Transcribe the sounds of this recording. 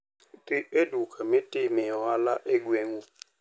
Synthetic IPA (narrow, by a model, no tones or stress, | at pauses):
tɪedukʰamɪ̃tʼɪmɛ̃ɔalaʔeɡweŋu